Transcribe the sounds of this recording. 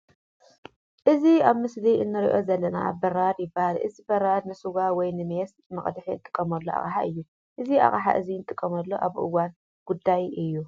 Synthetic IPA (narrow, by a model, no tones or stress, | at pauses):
ʔɨziaβmɨsliʔɨnːɨɾiʔo̞zɐlːɐna̰bɐɾad̪jɪbahalʔɨ̰zibɐɾad̪̚nɨsuɡawɔjnɨmes | mɐχʼd̪ħiɨnt̪ʼɨ̥kʼːɐmɐlːoʔa̰χʼħa̰ʔɨjːu | ʔɨzia̰χʼħa̰ʔɨziɨnt̪ʼɨkʼːɐmɐlːo̞ʔaβʔɨ̰wan | ɡ̥ud̪ajɨjːu